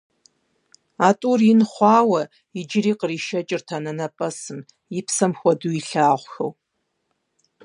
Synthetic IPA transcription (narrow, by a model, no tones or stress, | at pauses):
aːtʼuːrjɪnχʷɑːwɐ | ɪd͡ʒɪɾiːqəriːʃɐt͡ʃʼɪrtʰanɐnɐpʼɐsɨm | jɪpsɐmxʷɔduiɬaːʁʷxɐ̰w